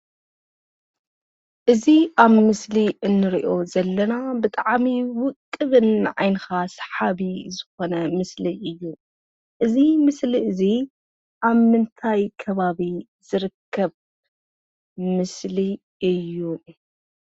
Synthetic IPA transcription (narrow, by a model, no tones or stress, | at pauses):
ʔɨziʔaβmɨsliʔɨnːɨɾḭʔo̞zɐlːɐnabɨt̪ʼaʕmiwʊkʼːɨβɨnʕa̰jnɨxasħaβizɨxo̞nɐmɨsliʔɨjːu | ʔɨzimɨsliʔɨzi | ʔaβmɨnt̪ʰajkʰɐβaβi | z̥ɨɾɨkʰːɐβ | mɨsli | ɨjːu